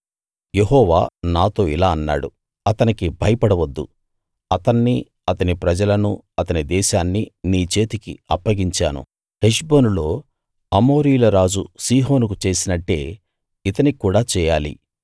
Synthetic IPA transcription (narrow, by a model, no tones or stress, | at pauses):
jeɦɔːʋa̰ːnaːt̪o̞ːilaːɐnːa̰ːɽu | ɐt̪ɐnikibʱɐjɐpɐɽɐʋɐd̪ːu | ɐt̪ɐnːi | ɐt̪ɐnipɾɐd͡ʒɐlɐnu | ɐt̪ɐnid̪ɛːʃaːnːiniːt͡ʃe̞ːt̪ikḭɐpːɐɡiɲt͡ʃa̰ːnṵ | heʃboːnulo̞ː | ɐmo̞ːɾijulɐɾaːd͡ʒusiːɦo̞ːnukut͡ʃe̞ːsinɐʈːe̞ː | it̪ɐnikuːɽaːt͡ʃɛːjaːlḭ